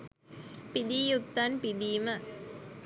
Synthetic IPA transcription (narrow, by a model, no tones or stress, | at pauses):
pid̪ijukt̪ːɐnpid̪iːmə